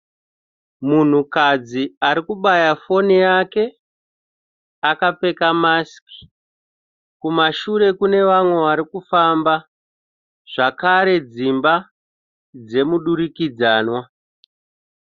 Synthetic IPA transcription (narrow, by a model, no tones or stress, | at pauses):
mun̤ukad͡ziaɾikuɓajafo̞nijake̞ | akape̞kamaski̥ | kumaʃuɾe̞kune̞ʋamwe̞ʋaɾikufamba | ʐ̥akaɾe̞d͡zimba | d͡ze̞muɗuɾikid͡zaːnwa